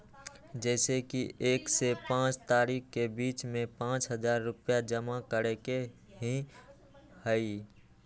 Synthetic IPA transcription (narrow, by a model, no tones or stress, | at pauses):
d͡ʒɛːsekiʔeːksepãːt͡ʃt̪aːɾiːkkebiːt͡ʃmẽpãːt͡ʃɦəzaːɾːʊpjad͡ʒəmakəɾeke | ɦĩ | həi